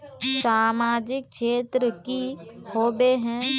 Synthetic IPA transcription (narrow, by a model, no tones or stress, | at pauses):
saːmaːd͡ʒɪk̚ʃʰeːt̪ɾəkihoːbeɦɛ̃ː